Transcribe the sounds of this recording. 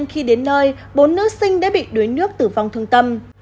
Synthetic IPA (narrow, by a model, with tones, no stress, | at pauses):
ŋxi˧ɗe˨˦nːəː˧j | ɓo˨˦nːɨ˦˥ək̚sï˧ŋ̟ɗa̰ː˧˥ɓḭ˧˨ɗu˨˦əjnɨ˦˥ək̚t̪ɨ˧˩va˨˩wŋ͡mt̪ʰɨ˧˩əŋt̪ə˧m